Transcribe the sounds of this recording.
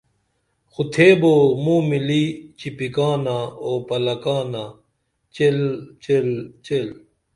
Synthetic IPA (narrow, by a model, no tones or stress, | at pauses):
xut̪ʰeːbomũːmilit͡ɕipikaːnaoːpɐlɐkaːna | t͡ɕelt͡ɕelt͡ɕel